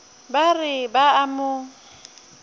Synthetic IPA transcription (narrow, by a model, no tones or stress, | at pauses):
barɪbaamʊ